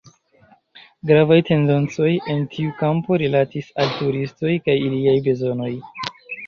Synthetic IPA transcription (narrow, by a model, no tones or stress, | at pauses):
ɡɾavajte̞nde̞nt͡so̞je̞ntʰiukampo̞ɾilatisaltuɾisto̞jkajiliajbe̞zo̞no̞j